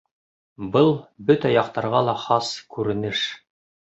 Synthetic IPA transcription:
bɤlˠbɵt̪æjɑqt̪ɑɾʁɑlˠɑχɑskʉɾɘ̆nɘʃ

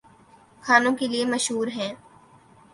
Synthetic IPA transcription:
kʰaːnõkeliemɐʃɦuːɾɦɛ̃ː

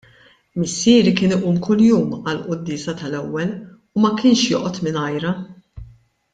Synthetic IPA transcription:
mɪsːɪːɾikɪːnɪʔuːmkʰʊljuːmɐlʔʊd̪ːɪːsɐt̪ɐlɛwːɛl | umɐkɪːnʃjɔːʔɔt̪mɪnɐjɾɐ

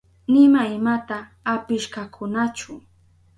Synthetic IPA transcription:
nɪmaɪmat̪aː | pɪʃkakʰʊnat͡ʃʊ

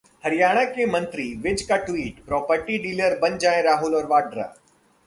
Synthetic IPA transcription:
hɐɾɪjaːɽ̃əkʰẽːmɐ̃nt̪ɾiʋɪd͡ʒkaʈʋiːʈpɾɔːpəɾʈiɖiːləɾbɐɲd͡ʒaːẽɾaːɦʊlɔːɾʋaːɖɾa̰

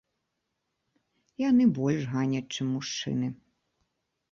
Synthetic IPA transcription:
ijanɨbɔlʲʂɣanʲɐt͡ʂɨmːuʂt͡ʂɨ̰nɨ

